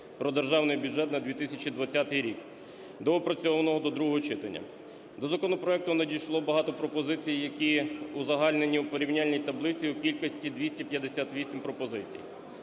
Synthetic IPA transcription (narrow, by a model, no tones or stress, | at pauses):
pɾɔd̪erʒɑwnɪjbʲuʒɛt̪nɐd̪ʲʋʲit̪ɪsʲɐt͡ʃid̪ʋɐt͡sʲːat̪ɪjɾʲik | d̪ɔɔpɾɐt͡sʲɔʋɐnɔɦɔd̪ɔd̪ɾuɦɔɦɔt͡ʃɪt̪ɐ̰nʲːɐ̰ | d̪ɔzɐkɔnɔpɾɔɛk̚t̪ʊnɐdʲijʃlˠɔbɐɦɑt̪ɔpɾɔpɔzɪt͡sʲijjɐkʲiuzɐɦɑlʲne̞nʲiwpɔɾʲiwnʲalʲnʲijt̪ɐblˠɪt͡sʲiukʲilʲkɐsʲtʲid̪ʋʲisʲtʲɐpjɐd̪esʲat̪ʋʲisʲimpɾɔpɔzɪt͡sʲḭj